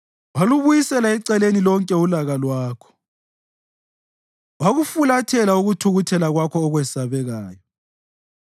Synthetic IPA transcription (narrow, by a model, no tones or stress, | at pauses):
waluβujisɛlaɛǀɛlenilɔŋkʼɛulaɣalwaːkʰɔ̥ | waɣufulatʰɛlauɣutʰuɣutʰɛlaɣwakʰɔːɣwɛsaβɛɣaːjɔ